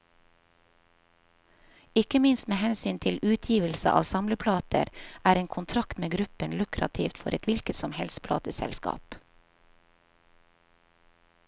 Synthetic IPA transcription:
ɪkəmɪnst̪meːhɛnsyːnt̪ʰɪlʉːt̪ʰjiːʋəlsə̰ʔɑ̰ːʋsɑmləpʰlɑːt̪ʰə̰ɾʔæːɾeːŋkʰʊnt̪ʰɾɑkt̪meːɡɾʉpənlʉkɾɑ̰t̪ʰift̪fɔɾʔɛt̪ʋɪlkət̪sɔmhɛlspʰlɑ̰ːt̪əsɛ̰lskɑ̰ːp

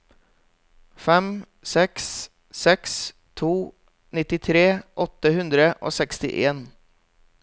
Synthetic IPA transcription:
fɛm | sɛks | sɛks | t̪ʰuː | nɪt̪ɪt̪ʰɾeːʔɔt̪əhʉnd̪ɾəʔo̰ːsɛkst̪ɪ̰ʔeːn

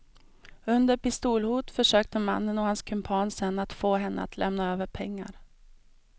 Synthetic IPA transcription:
ɵnd̪əɾpɪst̪uːlhuːt̪fœʂøːk̚t̪əma̰nːənɔhanskʰɵmpʰɑːnsɛnːat̪foːɦɛnːʔə̰a̰t̪ʰlʔɛmnaøːvəɾpʰɛŋːa̰ɾ

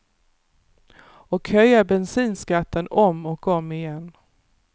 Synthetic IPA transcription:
ɔkhœjːabɛnsiːnskat̪ʰːənɔmɔkɔmːɪjɛnː

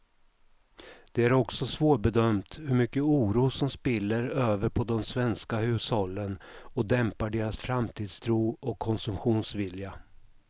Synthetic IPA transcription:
d̪̥ɛæɾɔksɔsvoːʈbɛd̪œmt̪hɵɾmʏkːəuːɾuːsɔmspɪlːəɾøːvəɾpʰɔd̪ɔmsvɛnskahʉ̟ːshɔlːənɔd̪ɛmpaɖeːɾasfɾamt̪ʰiːd̪st̪ʰɾuːɔkʰːɔnsɵmɧuːnsvɪlja

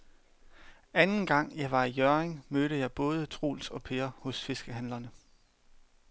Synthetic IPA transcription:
ænn̩ɡ̥ɑ̈ŋ̰jɑ̈ɪʋɑ̈ijœɐeŋmøːɾəjɑ̈ɪb̥ɔ̽ːð̞ˠət͡sʰʁṵːlsɒ̽pʰe̝ːɐhɔ̽sfe̝sɡ̥əɦænlɐnə

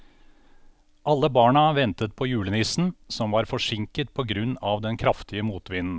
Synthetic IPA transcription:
ʔɑlːəbɑːɳɑʋɛnt̪ət̪̚pʰɔjʉːlənɪsn̩sɔmʋɑːɾfɔʂɪŋkət̪̚pʰɔɡɾʉnːɑʋd̪ɛnkʰɾɑft̪ɪəmuːt̪ʋɪnn̩

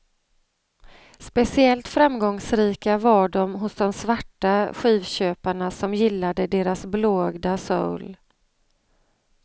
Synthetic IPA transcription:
spɛsɪɛlt̪fɾamɡɔŋsɾiːkavaɖɔmɦʊsd̪ɔmsvaʈːaɧiːvɕøːpaɳasɔmjɪlːad̪əd̪eːɾasbloːɡd̪asɔ̰wl

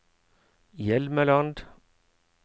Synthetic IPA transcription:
jɛlməlɑnd̪

